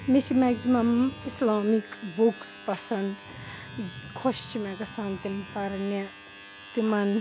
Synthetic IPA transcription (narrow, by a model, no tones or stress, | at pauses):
misimaksimɐmislaːmikbukspɐsɐnd̪ | kʰoʃt͡ʃʰimakɐsant̪impɐɾne | t̪imɐn